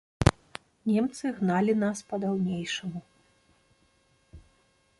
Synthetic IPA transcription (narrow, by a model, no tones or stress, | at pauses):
nʲɛmt̪sɨɣnalʲinaspɐd̪awnʲejʂɐmu